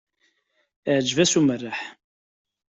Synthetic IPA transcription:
ʕd͡ʒvæsumərːaħ

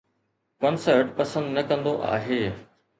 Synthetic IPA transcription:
pɐ̃nsɔʋɪʈpɐsə̃nd̪nɐkɐ̃nd̪oʔa̰ːɦeː

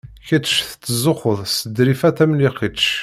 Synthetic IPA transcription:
çət̪ːʃθt͡sːzˤʊχəðˤsəd̪ɾifæθæmliqit̪ʃ

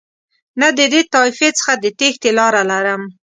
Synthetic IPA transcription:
nad̪əd̪et̪ɑifet͡sə̥xad̪ət̪ext̪elɑɾalaɾəm

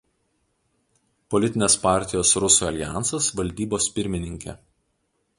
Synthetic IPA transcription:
pɔlʲɪt̪ʲɪnʲeːspɑˑɾʲt̪ʲɪjoːsɾʊsuːɐlʲɪjæˑnˑsɐsʋɐlʲd̪ʲiːboːspʲɪɾʲmʲɪnʲɪŋʲkʲɛ̰

